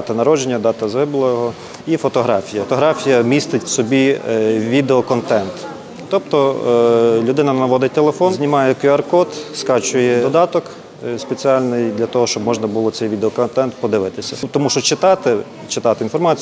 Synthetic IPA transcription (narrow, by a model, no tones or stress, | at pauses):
t̪ɐnɐɾɔd͡ʒenʲːɐd̪ɑt̪ɐzɦɪblˠɔjɦɔ | ifɔt̪ɔɦɾɑfʲijɐt̪ɔɦɾɑfʲijɐmʲist̪ɪtʲwsɔbʲiʋʲid̪eɔkɔnt̪ɛnt̪ː | ɔpt̪ɔ | lʲʊd̪ɪnɐnɐʋɔd̪ɪt̪elˠefɔnzʲnʲɪmɑjɛkiɐrkɔt̪skɑt͡ʃʊjɛd̪ɔd̪ɑt̪ɔk | spet͡sʲiɑlʲnɪjd̪lʲɐt̪ɔɦɔʃt͡ʃɔbmɔʒnɐbʊlˠɔsɛjʋʲid̪eɔkɔnt̪ɛnt̪pɔd̪ɪʋɪt̪ɪsʲɐt̪ɔmuʃt͡ʃɔt͡ʃɪt̪ɑt̪ɪ | t͡ʃɪt̪ɑt̪ɪinfɔrmɑt͡sʲ